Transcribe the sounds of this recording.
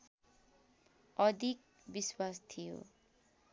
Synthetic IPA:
ʌd̪ʱik̚ | biswast̪ʰijo̰

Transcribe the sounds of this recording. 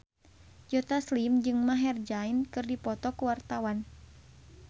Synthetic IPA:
d͡ʒɔt̪aslimd͡ʒɨŋmaɦɛrd͡ʒainkɨrdipɔt̪ɔkuwart̪awan

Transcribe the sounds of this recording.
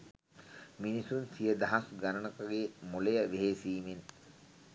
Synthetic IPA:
minisunsijəd̪ɐɦasɡanənəkəɡeːmolejəʋeɦesiːmen

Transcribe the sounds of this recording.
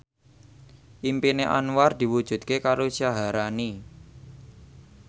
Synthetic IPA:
ʔimpineʔa̰nward̪̥i̤wud̥ʒ̥ṳd̪̚kekaɾosaɦaɾani

